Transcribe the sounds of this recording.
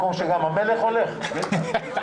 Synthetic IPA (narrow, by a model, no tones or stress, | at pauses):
komʃeɡamameleχo̞leχke